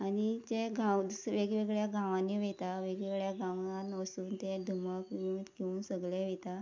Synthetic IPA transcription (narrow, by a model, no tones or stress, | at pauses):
anid͡ʑẽɡʱãwsʋeɡɭeɡɭjaɡãʋãnːiʋɛt̪aʋeɡɭeɡɭjaɡãʋanʋəsuːnt̪ẽd̪ʱuməkiunkiuːnsəɡɭjɛ̃ʋɛt̪a